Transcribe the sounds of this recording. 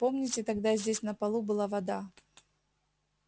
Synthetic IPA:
po̞mnʲɪtʲɪt̪ɐɡd̪azʲdʲesʲnəpɐlˠubɨlˠavɐd̪a

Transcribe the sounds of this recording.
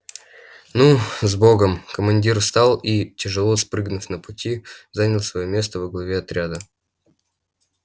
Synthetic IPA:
nuzboɡəmkəmɐnʲdʲirst̪ɑlˠitʲɪʐɨlˠospɾɨɡnʊfnəpʊtʲizanʲɪlˠsvɐjomʲe̞st̪əvəɡlˠɐvʲe̞ɐt̪ɾʲad̪ə

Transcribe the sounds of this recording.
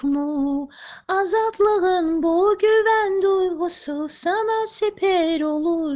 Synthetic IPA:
mu | ɑzɑt̪lˠɯʁɯnbolˠɡʲøvænd̪ujʁosɯsɑnɑsepʰeɾolˠu

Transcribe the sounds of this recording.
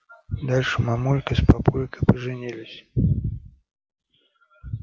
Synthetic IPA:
d̪alʲʂɨmamulʲkɨspapulʲkɨpəʐɨnʲilʲɪsʲ

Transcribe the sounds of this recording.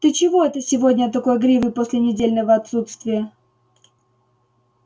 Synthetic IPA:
d̪̥ət͡ɕɪvo̞ɛt̪əsʲɪvodʲnʲət̪ɐko̞jɡɾʲivɨposʲlʲɪnʲɪdʲelʲnəvəɐt̪sut̪st̪vʲɪjə

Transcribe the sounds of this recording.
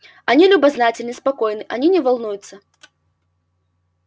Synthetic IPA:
anʲilʲubaznat͡sʲɪlʲnəspakɔjnɨʔanʲinʲɛvalˠnujʊt̪sːɐ

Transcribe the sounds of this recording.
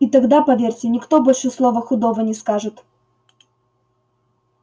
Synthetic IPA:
ɪt̪ɐɡd̪apɐvʲerʲtʲɪnʲɪkt̪o̞bolʲʂɨslˠovəxʊd̪ovənʲɪskaʐɨt̪

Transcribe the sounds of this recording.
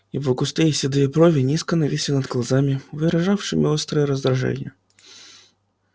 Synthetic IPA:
ivɐkʊst̪ejsʲɛd̪ɨeɛpɾɔvʲɪnʲiskənɐvʲisʲinɐd̪ɣlˠazamʲivɨɾɐʐawʂɨ̰mʲɪɔst̪ɾɨjɛɾəzd̪ɾaʐɛ̰nʲɪ̰jə

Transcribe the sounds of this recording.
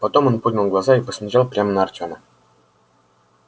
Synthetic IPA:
pɐt̪o̞monpod̪ʲnʲɪlˠɡlˠazaipəsʲmʲɪʑalˠpɾʲamənəːrtʲonə̰

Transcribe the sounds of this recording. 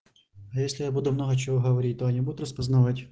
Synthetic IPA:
ɐjesʲlʲɪjabud̪ʊmnɔɦɐt͡ɕɪvɔɦɐʋɐɾʲit̚ʲt̪ɔɐnʲibud̪ʊt̪rɐspɐznɐʋatʲ

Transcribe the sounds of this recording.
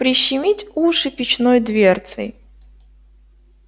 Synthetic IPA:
pɾʲɪɕːɪmʲitʲuʂɨpʲɪt͡ɕnojd̪vʲert̪sɨ̰j

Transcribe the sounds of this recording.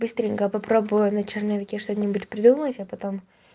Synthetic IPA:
bɨst̪ɾʲɪŋʲkəpɐpɾobʊjʊnɐt͡ɕɪrnɐvʲɪkʲeʂt̪ot̪nʲɪbʊtʲpɾʲɪd̪umˠtʲɐpɐt̪om

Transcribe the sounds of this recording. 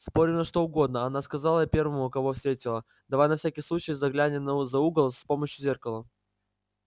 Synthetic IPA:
spo̞ɾʲɪmnɐʂt̪o̞ʊɡo̞d̪nəɐnaskɐzalˠəpʲe̞rvəmʊːkɐvofsʲt̪ɾʲetʲɪlˠə | d̪ɐvajnɐfsʲækʲɪjsˠut͡ɕɪjzɐɡlʲænʲɪnəzɐuɡəlˠspo̞məɕjʊzʲe̞rkəlˠə

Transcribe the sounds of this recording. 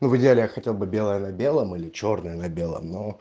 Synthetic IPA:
nuvɨdʲɪalʲɪjaxɐtʲelˠbɨbʲe̞lˠəjənɐbʲe̞lˠəmilʲɪt͡ɕo̞rnəjənɐbʲe̞lˠə̰mno

